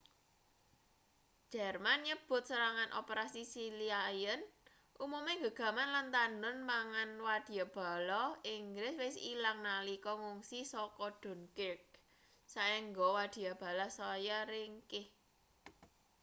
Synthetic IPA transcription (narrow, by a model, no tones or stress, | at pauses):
d͡ʒʒ̥ɛrmanɲəb̥ʊ̤t̪̚səɾaŋanʔo̰peɾasisiliajən | ʔumumeŋɡə̤ɡ̥ä̤manlant̪andʊnpaŋanwad̪̥i̤jab̥a̤lɔiŋɡɾɪswɪsḭlaŋnalikɔŋuŋsisɔkɔɖ̥ɔ̤nkɪk̚ | saɛŋɡɔwad̪̥i̤jab̥a̤lasɔjaɾiŋkɪh